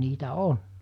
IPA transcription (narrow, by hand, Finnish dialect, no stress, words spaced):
niːtæ on